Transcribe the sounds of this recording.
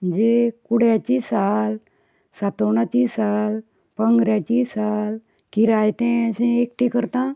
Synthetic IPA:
əd͡ʑekuɽjat͡ɕisal | sat̪oɳ̃at͡ɕisal | pəŋɡɾjat͡ɕisal | kiɾajt̪ɛ̃əɕɛ̃ekʈʰikəɾt̪ã

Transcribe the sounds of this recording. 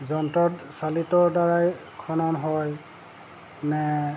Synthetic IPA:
zɔntɔtsalitɔɹdaɹajkʰɔnɔnɦɔj | nɛ

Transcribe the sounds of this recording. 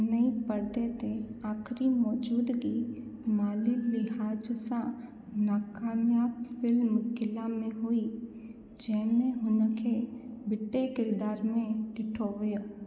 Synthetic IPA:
nəĩpəɾt̪et̪ʰeaːkʰɾimɔːd͡ʒuːd̪kimaːlilɪɦaːd͡ʒsã | naːkaːmjaːbfɪlmɡɪlamẽɦoːi | d͡ʒɛːmẽɦʊnəkʰebɪʈːekɪɾd̪aːɾmẽɖɪʈʰoːʋjõː

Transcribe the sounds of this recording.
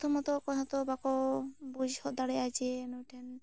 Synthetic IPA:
t̪ʰɔmɔt̪ɔkɔɦɔt̪ɔbakɔbud͡ʒhɔd̪aɽɛat͡ʃɛnɔʈʰɛn

